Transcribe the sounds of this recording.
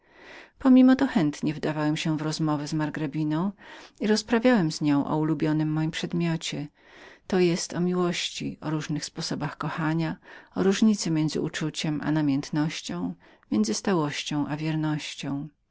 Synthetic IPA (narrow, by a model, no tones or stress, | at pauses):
pɔmʲimɔt̪ɔxɛnt̪ɲɛvd̪avawɛmɕɛvɾɔzmɔvɛzmaɾɡɾabʲinɔ̃w̃iɾɔspɾavʲjawɛmzɲɔ̃w̃ʔɔ̰ulubʲjɔnɘmːɔjimpʂɛd̪mʲjɔt͡ɕɛ | t̪ɔjɛst̪ɔmʲiwɔɕt͡ɕḭɔɾuʐnɘxspɔsɔbaxkɔxaɲaɔɾuʐɲit̪sɛmʲjɛnzɘ̰ut͡ʂut͡ɕɛmʔa̰namʲjɛnt̪nɔɕt͡ɕɔ̃w̃ | mʲjɛnd̪zɘst̪awɔɕt͡ɕɔ̃w̃ʔavʲjɛɾnɔɕt͡ɕɔ̃w̃